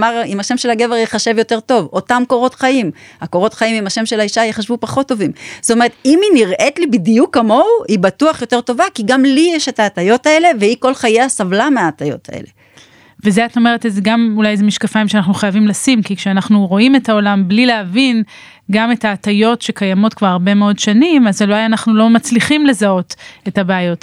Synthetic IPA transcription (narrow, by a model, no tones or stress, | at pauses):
maʁimaʃe̞mʃe̞laɡe̞veʁjeχaʃe̞vjo̞te̞ʁto̞vo̞tamko̞ʁo̞tχaimhakoʁo̞tχaimimaʃe̞mʃe̞laiʃajeχaʃvupaχo̞t̪ːo̞vimz̥otome̞et̪iminiʁʔetlibidjukːamo̞uibatuaχjo̞te̞ʁto̞vakiɡamlijeʃetaːtajo̞tae̞le̞veiko̞lχajeasavlameaːtajo̞̰tʰa̰ʔḛle̞ | vezeato̞me̞ʁetezeɡamulajzemiʃkafaimʃeanaχnuχajavimlasimkikʃeanaχnuʁo̞ime̞taolamblileavin | ɡame̞taːtajo̞tʃe̞kajamo̞tkvaʁaʁbe̞meodʃanimazeloajanaχnulo̞mat͡sliχimle̞zao̞te̞tabeajo̞t